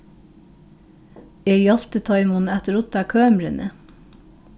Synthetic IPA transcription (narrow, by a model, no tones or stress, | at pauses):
eːɡjɑlt̪ət̪ʰɑɪmʊnæt̪əɾʊt̪ɑkʰøːmɾənʔə̰